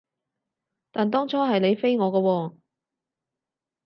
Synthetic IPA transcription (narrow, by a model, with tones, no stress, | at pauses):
t̪aː˨nt̪ɔː˥ŋt͡ʃʰɔː˥ɦɐ˨jle˨˧jfe˥jŋɔː˨˧kɐː˧wɔː˧